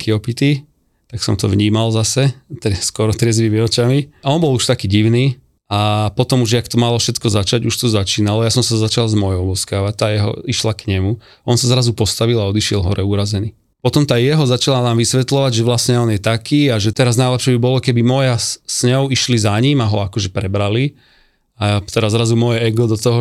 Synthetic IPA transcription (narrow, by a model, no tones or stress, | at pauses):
kiɔpit̪i | t̪aksɔ̰mt̪ɔʋɲiːmalzasɛt̪ɛskɔɾɔt̪ɾɛzmimiɔt͡ʃamiɔnbɔluʃt̪akiːɟiʊniː | apɔt̪ɔmuʒɛakt̪ɔmalɔfʃɛt̪kɔzat͡ʃaɟuʃt̪ɔzat͡ʃiːnalɔjasɔmsazat͡ʃalzmɔjɔʊɔskaːʋat̪ːaːjɛɦɔ̰iʃlakɲɛmu | ɔnsazɾazupɔst̪aʋilaɔd̪iʃɪɛlɦɔɾɛuɾazɛniː | pɔt̪ɔmt̪aːjɛɦɔzat͡ʃalanaːmʋisʋɛt̪lɔʋaɟʒɛʋlasɲɛɔnjɛt̪akiːaʒɛt̪ɛɾaznajlɛpʃɛbibɔlɔkɛbimɔjasɲɔʊiʃlizaɲimaɦɔakɔʒɛpɾɛbɾali | at̪ɛɾazɾazumɔjɛɛɡɔd̪ɔt̪ɔɦɔ